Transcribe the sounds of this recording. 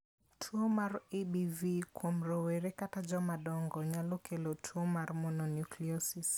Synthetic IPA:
tʰuɔmaɾiɓivikwɔm̩ɾɔwɛɾɛkatad͡ʒɔmaɗɔŋɡɔɲalɔkʰɛlɔtʰuɔmaɾmɔnɔnjukliɔsis

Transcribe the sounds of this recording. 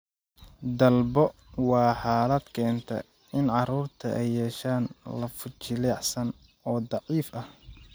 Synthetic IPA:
d̪ɐlbɔ | wɑːħɑːlɐd̪kʰɛːnt̪ʰɐ̰ | ɪnʕɑɾuːrt̪ʰɐʔɛjːɛːʃaːnlɐfʊt͡ʃɪlɛːħsɐn | ɔːd̪ɑʕiːfʔɐh

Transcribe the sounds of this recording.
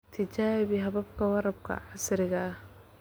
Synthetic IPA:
t̪ʰɪt͡ʃaːβiɦɐβɐbkʰɐwɑɾɐb̚kʰɐ̰ʕɑsɾɪɣɐːh

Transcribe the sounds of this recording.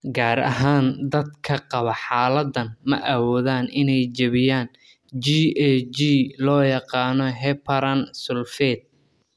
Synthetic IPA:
ɡaːɾɐ̰ɦaːnd̪ɐd̪kʰɐqɑβɐħɑːlɐd̪ɐnmɐ̰ʔɐwɔːðaːnʔɪnɛjd͡ʒɐβɪjaːn | d͡ʒiːɛd͡ʒiːlɔːjɑqɑːnɔɦɛpʰɐɾɐnsʊlfɛːd̪̚

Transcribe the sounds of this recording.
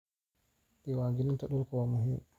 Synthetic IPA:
ɗiwaːɡinintaɗuɾkɔwamuɦim

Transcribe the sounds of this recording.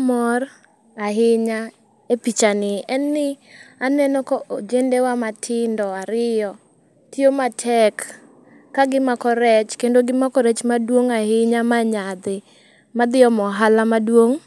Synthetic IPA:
mɔr | aɦɪɲa | epit͡ʃanɪɛnːɪanɛnɔkɔod͡ʒendewamatʰɪndɔaɾɪjɔ | tɪomatʰɛkː | aɡɪmakɔɾɛt͡ʃkendoɡɪmakɔɾɛt͡ʃmadwoŋahɪɲamaɲad̪ɪ | mad̪ɪɔmɔɦalamadwoŋ

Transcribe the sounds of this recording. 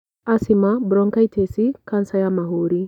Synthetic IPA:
ʔɐsɪmɐbɾɔŋkɐjt̪eːsɪkɐnsɐjɐmɐɦuːɾɪ

